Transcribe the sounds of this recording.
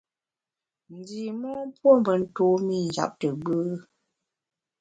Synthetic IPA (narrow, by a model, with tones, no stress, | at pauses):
n̩˨di˨mɔ˦m˦pwo˦m̩˨və˨n̩˦to˨˦mi˦˨n˨d͡ʒa̰˨p̚tə˨ɡ͡bɨ˦